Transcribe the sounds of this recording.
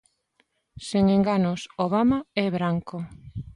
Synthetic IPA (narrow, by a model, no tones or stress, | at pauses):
seŋeŋɡanosoβamaɛβɾaŋko